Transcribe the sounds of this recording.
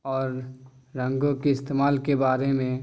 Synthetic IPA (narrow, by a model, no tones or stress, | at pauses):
ɔːɾːə̃ŋɡõkeɪst̪eːmaːlkebaːɾemẽ